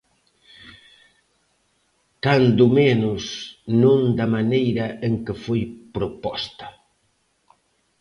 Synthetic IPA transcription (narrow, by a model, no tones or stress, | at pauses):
kand̪ʊmenʊsnõŋd̪ɐmanejɾɐʔeŋkɪfojpɾopɔst̪ɐ̥